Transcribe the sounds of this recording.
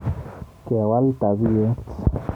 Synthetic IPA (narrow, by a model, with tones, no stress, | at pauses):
ke˨a˨wa˦lt̪a˨βi˦e˦t